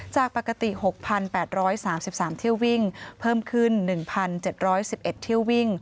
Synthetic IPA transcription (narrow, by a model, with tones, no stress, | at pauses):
t͡ɕaː˨˩k̚pa˨˩kːa˧t̪i˨˩ho˨˩k̚pʰa˧npɛː˨˩t̪̚ɾɔː˦˥jsaː˩˦msi˨˩p̚saː˩˦mt̪ʰi˥əwi˥˩ŋpʰɤː˥˩mkʰɯ˥˩nːɯ˨˩ŋpʰa˧nt͡ɕe˨˩t̪̚ɾɔː˦˥jsi˨˩p̚ʔe˨˩t̪ʰːi˥˩əwːi˥˩ŋ